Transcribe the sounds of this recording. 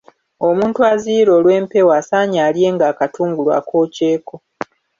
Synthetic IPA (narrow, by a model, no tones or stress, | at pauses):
o̞muːntuwaziːɾo̞ːlwe̞ːmpe̞waːsaːɲaːlje̞ːŋɡaːkatuːŋɡulwa̰ːkʰo̞ːce̞ːko̞